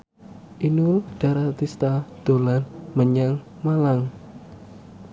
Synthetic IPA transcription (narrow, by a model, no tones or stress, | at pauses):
ʔinʊld̥a̤ɾat̪ist̪ad̪̥o̤lanməɲaŋ | malaŋ